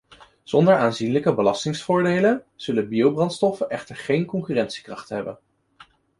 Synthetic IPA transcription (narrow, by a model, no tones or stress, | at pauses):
z̥ɔndəɹaːnzinləkəbəlɑstɪŋsfʊːɹdejlənz̥ɵləbiowbrɑntstɔfənɛχtəɹχejnkɔŋkyːrɛntsi̥krɑχtɦɛbə̰n